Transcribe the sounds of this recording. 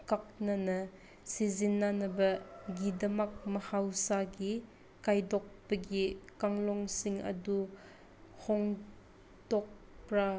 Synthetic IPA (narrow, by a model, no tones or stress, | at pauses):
kak̚nɐnɐ | sizinːanɐbɐɡidɐmak̚mɐhawsaɡi | kajdɔk̚pɐɡikaŋlɔŋsiŋɐ̰du | hɔŋ | dɔk̚pɾa